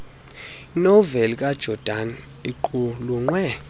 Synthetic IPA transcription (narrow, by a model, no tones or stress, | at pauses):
inɔvelik̬ʼad̥ʒ̥ʱɔd̥ʱan | iǃuluŋ͡ǀwɛ